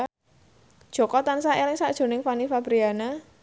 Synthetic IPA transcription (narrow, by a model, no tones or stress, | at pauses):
d̥ʒ̥ɔ̤kɔt̪ansaʔelɪŋsaʔd̥ʒ̥o̤nɪŋfanifabɾiana